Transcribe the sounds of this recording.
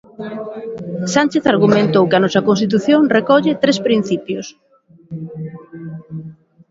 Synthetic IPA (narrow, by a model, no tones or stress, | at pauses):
sant͡ʃeθaɾɣumẽnt̪owkɪɐnɔsɐkonst̪it̪uθjoŋrekɔʎɪt̪ɾespɾin̟θipjʊs